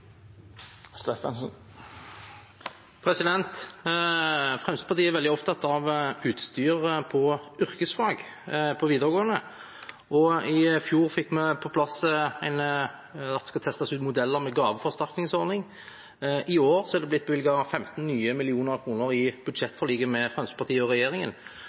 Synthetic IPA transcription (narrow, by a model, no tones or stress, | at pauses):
st̪efɑnsn | pʰʁɛsɪd̪ɛnt̪ | fʁɛmst̪əpɑʁt̪ʰiːæʋɛld̪ɪɔpt̪ʰɑt̪ɑʋʉːt̪st̪yːʁəpʰɔʏʁkəsflɑːɡpʰɔʋiːd̪əʁɡoːənə | ʔɔɪfjuːʁfɪkːmɛpʰɔpʰlɑsəæɪn | ɑt̪d̪ɛskɑt̪ʰɛst̪ɑsʉːt̪mʊd̪ɛlːəʁmɛɡɑːʋəfɔʁst̪ɑɾknɪŋsɔɾd̪nɪŋ | ɪoːʁsɔhɛɑd̪ɛblɪt̪̚ːbʋɪlɡɑɑfɛmt̪n̩nyːəmɪlɪuːnəʁkʰʁuːnəʁɪb̥ʉd̪ʃɛt̪ːfɔʁliːɡəmɛfʁɛmst̪əpɑt̪ʰiːəɔʁɛjeːʁɪŋə̰n